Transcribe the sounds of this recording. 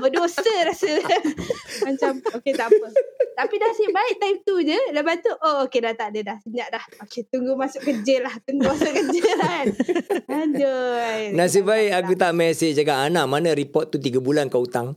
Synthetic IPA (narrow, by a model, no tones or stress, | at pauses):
bədosəɾasə | mat͡ʃamoket̪aʔpət̪apidasibaɪʔ̚t̪ajmt̪ud͡ʒələbat̪uʔookedat̪adədahsəɲaʔdahoket̪uŋɡumasʊʔkəd͡ʒəlaht̪uŋɡumasʊʔkəd͡ʒəlanad͡ʒojnas̬əbaɪkak̬ut̪aʔmɛsed͡ʒaɡaʔanaʔmanãɾipɔt̪̚ːut̪iɡabulankaut̪aŋ